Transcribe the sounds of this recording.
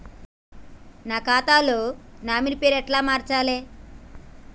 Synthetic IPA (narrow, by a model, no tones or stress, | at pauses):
naːkaːt̪aːloːnaːmiɾipeːɾɛʈlaːmaːɾt͡ʃaːleː